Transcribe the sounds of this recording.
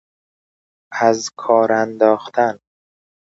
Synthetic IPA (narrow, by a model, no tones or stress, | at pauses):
æzkʰɒːɾænd̪ɒːxt̪ʰæn